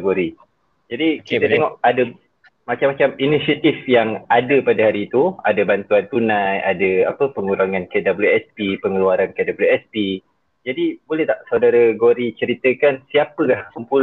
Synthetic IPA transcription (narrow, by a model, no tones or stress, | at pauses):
ɡoɾi | d͡ʒadikiəeŋɔʔadə | mat͡ʃamat͡ʃaminisiat̪ifjaŋadəpadaɦaɾiːt̪uadabant̪uant̪unãjadəapəpəŋuɾaŋankədabluɛspipəŋəluaɾankədabluɛspi | d͡ʒadibolɛht̪aʔsawdaɾaɡoɾit͡ʃəɾit̪əkansiapəkahsəmpul